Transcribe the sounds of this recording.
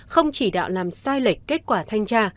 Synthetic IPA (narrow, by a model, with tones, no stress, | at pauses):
xə˧wŋ͡mt͡ɕi˧˩ɗa̰ː˧˨wlaː˨˩msaː˧jli˨˩k̚ke˦˥t̚kwaː˧˩t̪ʰa˧jŋ̟t͡ɕaː˧